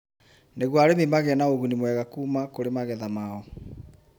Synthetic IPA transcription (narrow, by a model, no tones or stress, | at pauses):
neɣwaɾememaɣɛnaoɣunimwɛɣakuːmakoɾemaɣɛðamaɔ